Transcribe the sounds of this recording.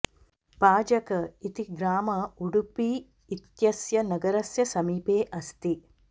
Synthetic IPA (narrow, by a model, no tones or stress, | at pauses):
paːd͡ʒɐkɐit̪iɡɾaːmɐuɽupiː | t̪jɐsjɐnɐɡɐɾɐsjɐsɐmiːpeːʔɐst̪i